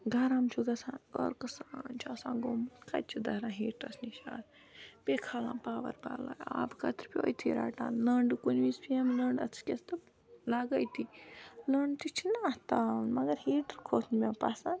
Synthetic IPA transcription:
ɡɐɾamt͡ʃʰuɡɐsãːnɡɐ̰ɾkɐsaːnt͡ʃʰɐsãːnɡomɨnkɐ̰t͡ʃʰid̪ɐɾãːɦiːʈɐsniʃa̰ːn | pʲekʰalã̰ːnpaːʋɐ̰ɾba̰ːla̰ːja̰ːbkɐt̪ʰɾpʲjo̰ːjt̪ʰḭɾa̰ːʈa̰ːnlɐɳɖɨkunʋiːspʰiɐmlɐɳɖɐ̰t͡sʰkʲest̪ɨ | laːɡɐjt̪ʰiləɳɖt̪it͡ʃʰinaːht̪aːnmɐɡɐɾhiːʈɾkʰoːt̪ʰnmʲapasan

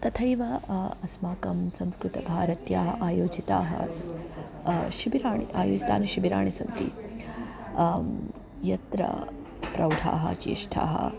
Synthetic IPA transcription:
t̪ɐt̪ʰɐjʋɐɐsmaːkɐmsɐmskɾut̪ɐbʱaːɾɐt̪jaːɦɐ̰ʔaːjoːd͡ʒit̪aːɦɐ̰ | ʃibiɾaːɳiaːjo̰ːd͡ʒit̪a̰ːnɐʃibiɾaːɳisɐnt̪ḭ | jɐt̪ɾɐ̰ | pɾɐwɖ̪ʱʰa̰ːɦɐ̰t͡ʃḭːʂʈʰa̰ːɦɐ̰

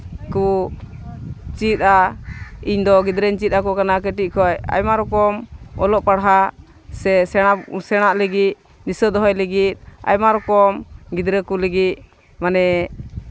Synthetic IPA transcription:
ku | t͡ʃit̪̚a | iɲd̪ɔɡid̪ɾɛɲt͡ʃit̪̚ˀakɔkanakɛʈiʔ̚kʰɔja̰jmaɾɔkɔmɔlɔʔpaɽɦa | sɛsɛasɛɽ̃aʔləɡit̪̚ | nisəd̪ɔɦɔjləɡit̪̚a̰jmaɾɔkɔmɡid̪ɾəkuləɡit̪̚ | manɛ

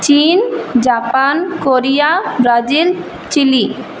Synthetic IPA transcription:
t͡ɕind͡ʑapankoɾijabɾad͡ʑil | t͡ɕili

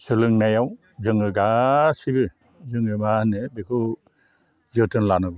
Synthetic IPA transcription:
sɯlɯŋnajaw | zɯŋɯɡasibɯ | zɯŋɯmanɯbekʰɯ | zɯtʰɯnlanɯbɯ

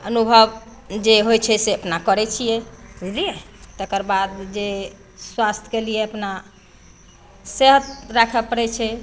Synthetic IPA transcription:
ənubʱəb | d͡ʒeɦojt͡ʃʰɛseəpnakəɾɛt͡ʃʰijɛɦeilijet̪əkəɾbad̪d͡ʒe | swast̪ʰkelijɛəpna | seɦət̪ɾakʰɛpəɾɛt͡ʃʰɛ

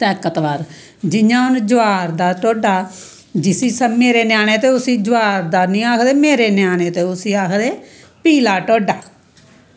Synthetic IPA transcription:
t̪ɛːkət̪ʋaːɾ | d͡ʒɪjãːʊnd͡ʒʊaːɾd̪aːʈoːɖaː | d͡ʒɪsiːsəmeːɾeːnjaːɽ̃eːt̪eːʊsĩːd͡ʒʊaːɾd̪aːnĩːaːkʰd̪eːmeːɾeːnjaːɽ̃eːt̪eːʊsiːaːkʰd̪eː | piːlaːʈoːɖaː

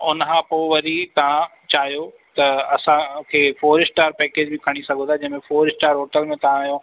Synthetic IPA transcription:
ʊnkʰãpoːʋɐɾit̪ɐʋ̤ã | t͡ɕaːɦijo | t̪ɐɐsãkʰeːfoːɾɪsʈaːɾpɛːkeːd͡ʑbɪkʰɐɽ̃isɐɡʱõt̪ʰaːd͡ʑɐ̃ɦmẽfoːɾɪsʈaːɾɦoːʈəlmẽt̪ɐʋ̤ãajõ

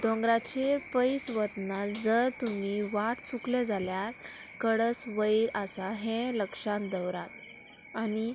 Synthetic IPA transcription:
d̪ɔ̃ŋɡɾat͡ɕepəjsʋət̪nad͡zəɾt̪um̤iʋaʈt͡sukled͡zʱalja | kəɽəsʋəiɾasaɦɛ̃ləkʂãnd̪əwɾat̪ | ani

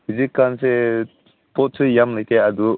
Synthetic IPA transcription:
izikːanse | pɔtʰɯjamlɯjt̪ʰead̪u

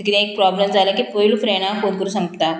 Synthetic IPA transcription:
kit̪ɛ̃ek̚pɾɔbləmd͡zaləkiːpəilufɾeɽ̃ãkot̪̚kəɾũsãŋɡt̪a

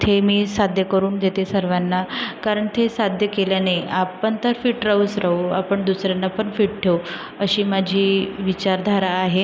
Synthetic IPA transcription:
t̪ʰemiːsad̪ʱjəkəɾuːnd̪et̪esəɾʋanːakaɾəɳt̪ʰesad̪ʱjəkelanajapəɳt̪əɾfiːʈɾəusɾauapəɳd̪usɾjanːapəɳfiːʈ̚ʈʰew | əɕiːmad͡ʑʱiːʋit͡ɕaɾd̪ʱaɾaːɦe

